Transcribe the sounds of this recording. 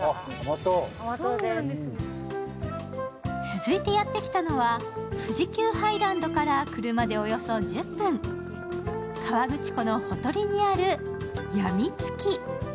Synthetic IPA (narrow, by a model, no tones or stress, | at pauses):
mt̪o | t͡sɨzɨit̪e̞jat̪ːe̞kʲi̥t̪ano̞βa | ɸɯʑikʲɨːhaiɾãnd̪o̞kaɾakɯ̟ɾɯ̟mad̪e̞o̞jo̞so̞d͡ʑɨpːɯ̃ŋ | kʰaβaɡɯ̟t͡ɕi̥ko̞no̞ho̞t̪o̞ɾʲiɲ̟iaɾɯ̟ | jamʲit͡sɨ̥kʲi